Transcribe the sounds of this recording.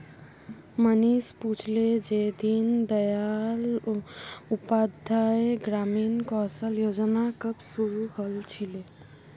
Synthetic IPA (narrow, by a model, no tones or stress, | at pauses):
mənisput͡ʃʰled͡ʒed̪ind̪əjal | upad̪ʱaeɡɾaminkɔsəljod͡ʒnakəbsuɾuɦəlt͡ʃʰile